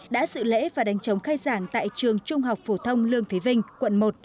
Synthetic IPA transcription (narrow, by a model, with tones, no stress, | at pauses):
ɗa̰ː˧˥sɨ̰˧˨lḛ˧˥vaː˨˩ɗa˨˦jŋ̟t͡ɕə˨˦wŋ͡mxaː˧jzaː˧˩ŋt̪a̰ː˧˨jt͡ɕɨ˨˩əŋt͡ɕʊ˧ŋ͡mɦa˨˩wk͡p̚fo˧˩t̪ʰə˧wŋ͡mlɨ˧əŋt̪ʰe˨˦vï˧ŋ̟kwə̰˧˨nmo˨˩t̚